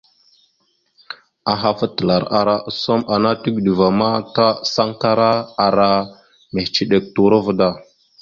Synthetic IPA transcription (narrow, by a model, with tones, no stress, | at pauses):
a˨ɦa˨fə˦tə˨la˨ɾa̰˨ɾa˨ʔso˦ma˨na˦ti˦ɡɗi˨va˨ma˦ta˦sa˦ŋta˦ɾa˦a˨ɾa˦ | me˨ht͡ʃi˦ɗe˨k̚tu˨ɾə˦və˦da˦˨